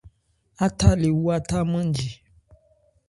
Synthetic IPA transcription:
a˦ta˦le˨wu˦a˦ta˦mə̃˦n˦d͡ʒi˨

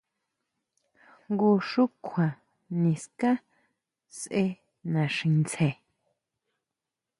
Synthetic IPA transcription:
ŋɡu˧ʃu˦kʷʰã˨ | nĩ˨skã˦ | sʔe˦ | nã˨ʃĩ˧nt͡sʰe˨

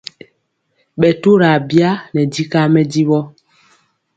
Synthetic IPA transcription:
ɓɛ˨tu˦ɾa˨bja˦nɛ˨di˦ka˦mɛ˦di˦ɓɔ˦

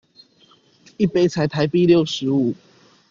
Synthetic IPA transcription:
i˦pe˥˧t͡sʰa˨˦ɪt̪ʰa˧˦ɪpi˥˧˨ljo˥˨ʊʂɻ̩˨˦u˨˩˦

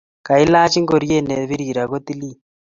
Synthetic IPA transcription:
ka˨i˦laː˦t͡ʃi˦ŋɡo˨ɾje˦ne˨βi˦ɾi˨ɾa˨ɣo˦t̪i˦li˦

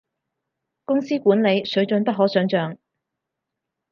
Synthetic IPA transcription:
kʊ˥ŋsiː˥kuː˨˥nle˨˧jsɵ˨˥ɥt͡ʃɵ˧npɐ˥t̚ɦɔː˨˥sœː˨˥ŋt͡ʃœː˨ŋ

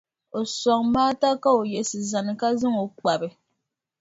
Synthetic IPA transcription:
o˨sɔ˨ŋmaː˦ta˦ka˦o˨jɛ˨sɨ˨za˨nɨ˨ka˦zɨ˦ŋo˨k͡pa˨bɨ˨

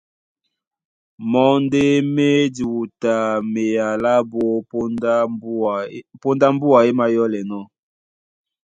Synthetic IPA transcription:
mɔ˦nde˦me˦di˨wu˨ta˨me˨ja˨la˦bo˦ | po˦nda˦m˦bu˦a˨e˦ma˦jɔ˦lɛ˨nɔ˦

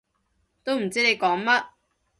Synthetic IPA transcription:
t̪o˥wm̩˨˩t͡siː˥ne˨˧jkɔː˨˥ŋmɐ˥t̚

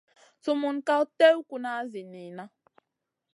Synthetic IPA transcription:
tʊ˨mʊ˨n̩˨ka˦o˦te˦u˦kʷu˨na˨a˦zɪ˨ni˨na˦

